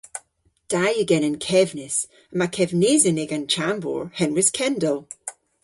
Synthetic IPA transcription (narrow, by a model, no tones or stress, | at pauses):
d̥ajəɡɛ̃nɪ̃nkʰɛvnɪs | əmakʰɛvnezɪneɡə̃nt͡ʃʰãmbɔ̰ɹhɛnwɪzkʰɛ̃ndəlˠ